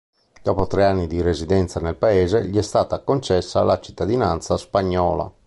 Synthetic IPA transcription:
d̪̥ɔːpot̪ɾeanːid̪irezid̪ɛnt̪sanelpaeːzeʎiɛst̪aːt̪akont͡ʃɛsːalat͡ʃi̥t̪ːad̪inant̪saspaɲːɔːla̰

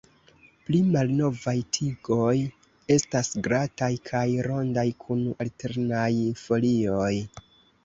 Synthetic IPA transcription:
plimalno̞vajtʰiɡo̞j | e̞stasɡɾatajkʰajɾo̞ndajkʰunalte̞ɾnajfo̞lio̞j

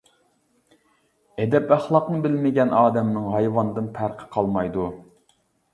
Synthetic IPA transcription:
ɛd̪ɛpæχlˠɑqnɨbɪlmɪɡʲɛnʔɑːd̪ɛmnɨŋɦɑjwɑnd̪ɨnpʰæɾqʰə̥qʰɑlˠmɑjd̪u

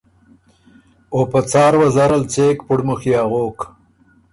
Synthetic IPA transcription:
opat͡sɑːɾwazaɾalt͡seːkpʊɽmuxijɑːɣoːk

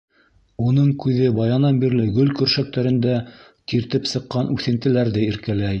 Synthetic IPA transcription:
unɤɴkʉðɘbɑjɑnɑmbiɾlɘɡɵlkɵ̆ɾʃæk̚t̪æɾɘ̆nd̪æ | t̪iɾt̪ɘpsɤ̆qːɑnʔʉθɘ̆nt̪ɘ̆læɾðɘiɾkælæj

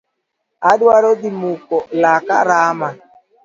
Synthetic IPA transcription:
adwaɾod̪imukɔlakaɾama

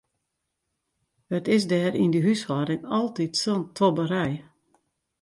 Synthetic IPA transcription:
ətɪs̬dɛːɾʔindiɦyshɔdɪŋɔlˠtitsontʰobəɾɛj

